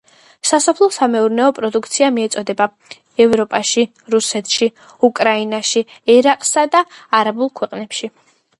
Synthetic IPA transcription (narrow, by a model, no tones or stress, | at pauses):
sasɔpʰlˠɔsamɛuɾnɛɔpʼɾɔd̪ukʰt̪sʰiamiɛt̪sʼɔd̪ɛba | ɛvɾɔpʼaʃi | ɾusɛt̪ʰʃi | ukʼɾainaʃiɛɾaqʼsad̪aːɾabulˠkʰwɛqʼnɛpʃi